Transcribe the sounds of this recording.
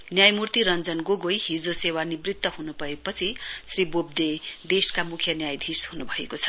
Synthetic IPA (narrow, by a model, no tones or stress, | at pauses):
njajmurt̪iɾʌnd͡zʌnɡoɡojɦid͡zosewanibrit̪ːʌɦunubʌepʌt͡sʰisribob̚ɖed̪eskamukʰjʌnjajd̪ʱishunubʱʌekot͡sʰʌ̥